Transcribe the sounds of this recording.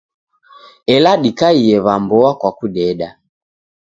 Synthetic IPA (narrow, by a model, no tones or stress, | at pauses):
ɛlaɗikaiɛβambɔakwakuɗɛɗa